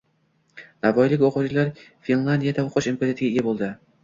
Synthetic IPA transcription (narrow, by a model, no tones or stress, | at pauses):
navɒjlɪkʲoqʰʊd͡ʒlaɾfinlˠand̪ʲijad̪aoqʰʊʃimpezeat̪ʰɪɡʲaɪjabolˠd̪ɪ